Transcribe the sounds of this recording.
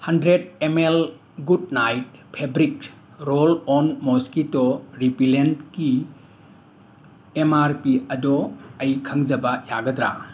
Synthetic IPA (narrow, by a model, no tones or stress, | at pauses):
hɐndɾedemel | ɡudnajt̚pʰebɾik | ɾolɔnmoskitoɾipilentki | emaɾpiɐdɔɐjkʰɐŋzɐbɐjaɡɐdɾa̰